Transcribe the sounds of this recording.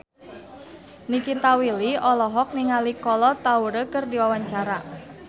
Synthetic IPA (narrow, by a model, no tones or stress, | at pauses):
nikit̪awiliɔlɔɦɔk̚niŋalikɔlɔt̪auɾəkɨrdiwawaɲt͡ʃaɾa